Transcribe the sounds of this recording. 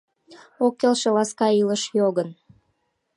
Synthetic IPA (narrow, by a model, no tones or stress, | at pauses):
okːelʃelɑskɑiləʃjoɣən